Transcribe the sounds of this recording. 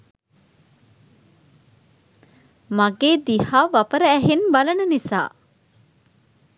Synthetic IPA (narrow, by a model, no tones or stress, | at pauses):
maɡeːd̪ihaːʋapəɾəæɦenbalənənisa̰ː